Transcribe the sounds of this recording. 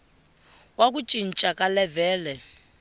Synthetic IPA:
wak̬ut͡ʃʼin̩t͡ʃʼakʼalɛvɛːlɛ

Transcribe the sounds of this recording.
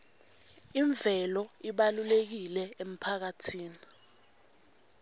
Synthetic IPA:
iɱb̪vʱɛlɔiɓalulek̬ilɛem̩pʰak̬atʰiːni

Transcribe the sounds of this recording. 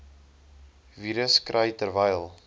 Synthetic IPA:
viɾəskɾəjtəɾvɐjlˠ

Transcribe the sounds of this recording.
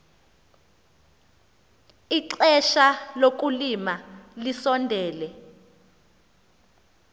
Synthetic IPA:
iǁɛʃalok̬ʼulimalisɔndʱɛːlɛ

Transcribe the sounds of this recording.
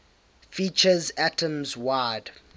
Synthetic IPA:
fit͡ʃəzætʰə̃mzwad̥

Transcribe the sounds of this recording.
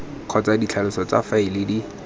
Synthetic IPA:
q͡χʰɔt͡sadit͡ɬʰalʊsɔt͡sa̰faɪlɪdi

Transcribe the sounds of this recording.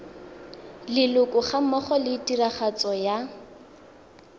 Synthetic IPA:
lɪlʊkʼʊχam̩mɔχɔlɪːtʼiraχat͡sɔja

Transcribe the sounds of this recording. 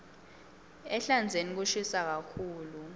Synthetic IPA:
ɛɬand͡zʱenik̬uʃisak̬akʰuːlu

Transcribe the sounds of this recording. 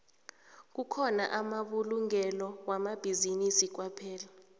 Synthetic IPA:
k̬ukʰɔna̰ʔamaɓuluŋɛlɔwamab̥ʱizinisik̬wapʰɛːla

